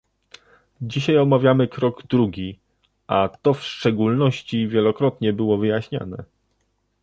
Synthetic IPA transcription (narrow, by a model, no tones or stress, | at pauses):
d͡ʑiɕajɔmavʲjamɘkɾɔɡd̪ɾuɡʲi | at̪ɔfʂt͡ʂɛɡulnɔɕt͡ɕivʲjɛlɔkɾɔt̪ɲɛbɘwɔvɘjaɕɲa̰nɛ̰